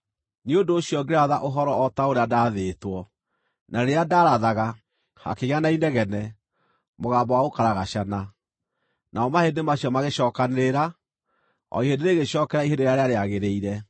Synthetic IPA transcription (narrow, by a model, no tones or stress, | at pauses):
niodoːɕiɔɡeɾaðaʔoɦɔɾɔɔtaoɾeadaðeːtwɔ | naɾeadaɾaðaɣa | ha̰keɣanainɛɣɛnɛ | moɣaːmbawaɣokaɾaɣaɕana | naɔmahedemaɕiɔmaɣeɕɔːkaneɾa | ɔ̰iɦedeɾeɣeʃɔːkɛɾaiɦedeɾeaɾeaɾeaɣeɾeiɾɛ